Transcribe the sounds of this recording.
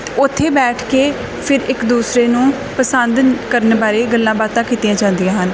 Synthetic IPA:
ʊt̪ʰːeːbɛːʈʰkeː | pʰɪɾɪkd̪uːsɾeːnũː | pəsənd̪kəɾənbaːɾeːɡəlːãːbaːt̪ãːkiːt̪ɪjãːd͡ʒãːnd̪ɪjãːɦən

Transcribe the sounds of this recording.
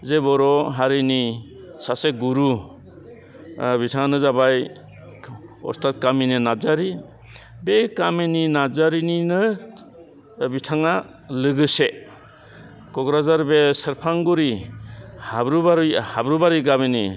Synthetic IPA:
zebɔɾɔɦaɾini | saseɡuɾu | bitʰaŋanɯzabaj | ɔ̰ɾstʰat̚kamininazaɾi | bekamininad͡ʒaɾininɯ | bitʰaŋa | lɯɡɯse | kɔɡɾazaɾbesəɾpʰaŋɡuɾi | habɾubaɾhabɾubaɾiɡabinḭ

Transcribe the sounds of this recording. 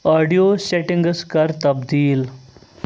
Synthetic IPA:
aːɖijoːseʈɪ̃ŋɡskɐɾt̪ɐbd̪iːl

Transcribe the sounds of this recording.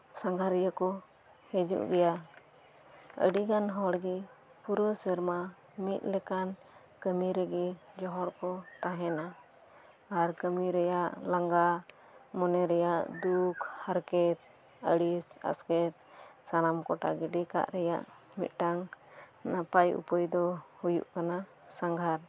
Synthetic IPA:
saŋɡaɾɛjakɔ | hɛd͡ʒṵʔɡɛja | ə̰ɖiɡanɦɔɽɡɛ | puɾɔsəɾma | mit̪̚ˀlɛkan | kəmiɾɛɡɛd͡ʒɔɦɔɾkɔt̪aɦɛna | aɾkəmiɾɛjaʔlaŋɡa | mɔnɛɾɛjaʔd̪ukhaɾkɛt̪̚ | əɽisa̰skɛt̪̚sanamkɔʈa̰ɡɛɖika̰ʔɾɛja̰ʔ | mḭt̪̚ʈaŋ | napajṵpəjd̪ɔhujṵʔkana | saŋɡʱaɾ

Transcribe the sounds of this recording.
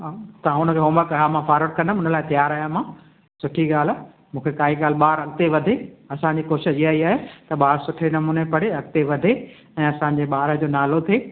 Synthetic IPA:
ɦat̪ɐ̤ãʊnəkʰeːɦoːməkaɦamãfʰaːɾəʈ̚kɐ̃nd̪ʊnəlaːɪt̪ɐjaːɾaːjãm̤ãː | sʊʈʰiɠaːl̤a | mũːkʰekaːɦiɠaːlɓaːɾɐɠ̚t̪eʋɐd̪ʱeɐsãɲd͡ʑiːkoːʃɪd͡ʑiaːiaːɦet̪ɐɓaːɾsʊʈʰenɐmuːnepɐɽeɐɠ̚t̪eʋɐd̪ʱe | ɛ̃ːɐsãːɲ̆d͡ʑeɓaːɾə̆d͡ʑoːnaːlot̪ʰeː

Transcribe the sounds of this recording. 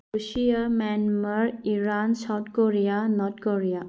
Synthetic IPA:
usijamɛnməɾiɾansawt̪̚koɾijanɔtkoɾija

